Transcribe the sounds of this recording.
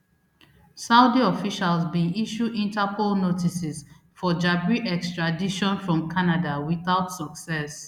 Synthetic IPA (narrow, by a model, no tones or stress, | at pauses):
saʊdiɔfiʃalzbĩnʔiʃudĩntapolnotisis | fɔd͡ʒabɹiʔɛkstɹadiʃɔ̃nfɹɔ̃mkʰanadawiθaʊtsɔksɛs